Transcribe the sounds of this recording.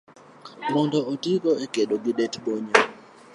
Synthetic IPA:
mɔndɔɔtikɔekeɗoɡiɗɛtɓɔɲa

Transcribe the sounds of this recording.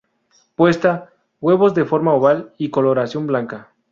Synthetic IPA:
pwe̞st̪a | ɣwe̞βo̞zd̪e̞fo̞ɾmaoβaliko̞lo̞ɾasjo̞mblaŋka

